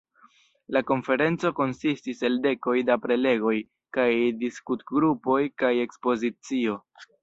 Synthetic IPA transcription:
lako̞nfe̞ɾe̞nt͡so̞ko̞nsistise̞lde̞ko̞jdapɾe̞le̞ɡo̞j | kajdiskutɡɾupo̞jkaje̞kspo̞zit͡sio̞

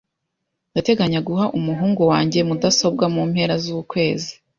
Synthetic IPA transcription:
ndate̞ɡaɲaɡuɦaʔumuɦuːŋɡowaːɲɟe̞mudaso̞b̚ɡamum̥he̞ɾazukwe̞ːzi̥

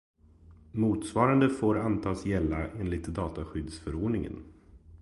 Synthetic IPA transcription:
muːt̪svɑːɾand̪əfoːɾant̪ʰɑːsjɛlːaʔeːnlɪt̪d̪ɑːt̪aɧʏd̪sfœɾoːɖɳɪŋə̰n

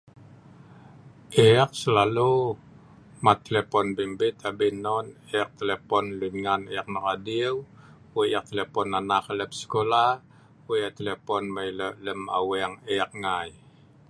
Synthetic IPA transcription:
ʔɛak̚səlalu | mat̪ːelepɔnbimbɪt̪abinɔneak̚t̪elepɔnlidŋanejak̚naradiw | weak̚t̪elepɔnanakələp̚sə̥kola | weat̪elepɔnmajlələma̰wɛŋɛak̚ŋaj

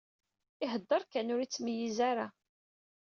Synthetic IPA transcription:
ɪɦəd̪ˤːəɾˤkænʊɾit͡sːməjizaɾa

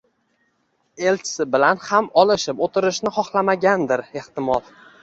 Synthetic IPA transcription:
e̞lt͡ʃʰɪ̥sɪbɪlanhamɒlˠɪʃɪpot̪ʰɪɾɪʃnɪχɒχlˠamaɡʲand̪ɪɾeht̪ɪmɒl

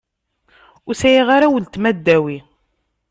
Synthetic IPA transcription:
ʊsæjiʁaɾawəlt̪mæd̪ːæwi

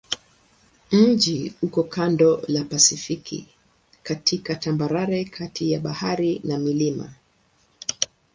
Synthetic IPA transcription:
m̩d͡ʒihukɔkʰandɔlapasifikʰḭ | katʰikatambaɾaɾɛkʰatʰijaɓahaɾinamilima̰

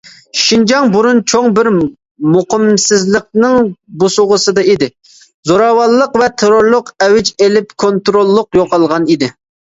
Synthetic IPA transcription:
ʃind͡ʒɑŋbuɾunt͡ʃʰoŋbɪɾ | mʊqəmsɪzləq̚nɨŋbosʊʁəsɨd̪ɑid̪ɪ | zoɾɑwɑlˠːəqvɛt̪ʰeɾoɾlˠʊqɛwɪt͡ʃelɪpkʰont̪ɾolˠːʊqjoqɑlˠʁɑnid̪ɪ

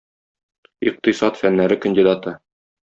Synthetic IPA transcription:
iq̚t̪ĭsɑt̪fænːæɾɘkə̆nʲdʲid̪at̪ɤ

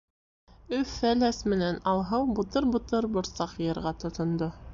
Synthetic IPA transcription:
ɵfælæsmɘ̆nænɑlˠɦɤwbut̪ɤɾbut̪ɤɾbŏɾsɑqjɤ̆ɾʁɑt̪ŏt̪ŏnd̪o

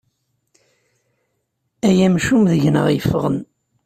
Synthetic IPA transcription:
æjæmʃumðəʝnə̰ʁjəfʁən

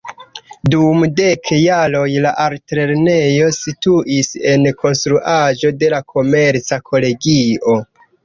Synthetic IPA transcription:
dumde̞kʰjalo̞jlaʔaɾtɾe̞ɾne̞jo̞situʔise̞nko̞nstɾuʔaʒo̞de̞lakʰo̞me̞ɾt͡sakʰo̞le̞ɡio̞

